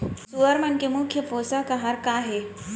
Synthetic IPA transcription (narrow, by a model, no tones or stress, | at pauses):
suʋəɾmənkemukʰːjəposəkaɦaɾkaɦe